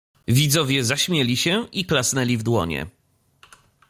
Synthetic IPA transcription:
vʲid̪zɔvʲjɛzaɕmʲjɛlʲiɕɛiklasnɛlʲivd̪wɔ̰ɲɛ̰

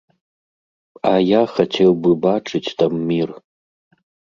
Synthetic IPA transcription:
ajaxɐtʰewbɨbaʈ͡ʂʰʼɨtʲtamːir

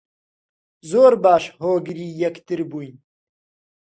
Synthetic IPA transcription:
zoːɾbaːʃhoːɡɾiːjɐkt̪ɨɾbuːjn

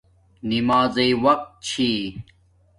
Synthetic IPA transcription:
nimaːzɐiwɐq̚t̪̚t͡ɕʰi

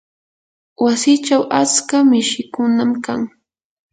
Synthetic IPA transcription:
wasɪt͡ʃawʔat͡skamɪʃɪkʊnamkaŋ

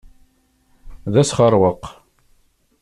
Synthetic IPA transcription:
ðæsχəɾˤwəq

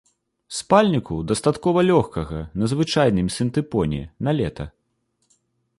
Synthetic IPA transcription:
spalʲnʲikud̪ɐst̪at̪kɔvɐlʲɔxkɐɣɐnɐzvɨt͡ʂajnɨmʲsʲɨnt̪ɨpɔnʲɛ̰nalʲɛt̪ɐ

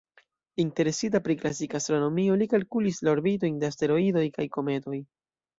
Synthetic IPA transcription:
inte̞ɾe̞sit̬apɾiklasikaːstɾo̞no̞mio̞likalkulislaoɾbit̬o̞jnde̞aste̞ɾo̞ido̞jkajko̞me̞to̞j

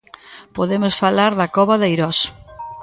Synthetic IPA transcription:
poðemʊsfalaɾðɐkɔβɐðejɾɔs

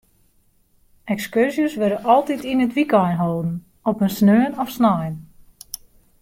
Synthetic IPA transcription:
ɛkskørzjəsʋøɾəʔɔlˠtitinətʋikɔjnɦoːdn̩ | ɔpənsnøːnɔfsnɔjn

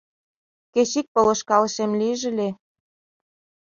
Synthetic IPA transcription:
keɕik̚pɤ̆lɤ̆ʃkɑlɤ̆ʃemliʒɘ̆lʲe

